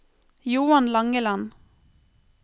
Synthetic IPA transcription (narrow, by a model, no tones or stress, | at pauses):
juːɑnlɑŋəlɑn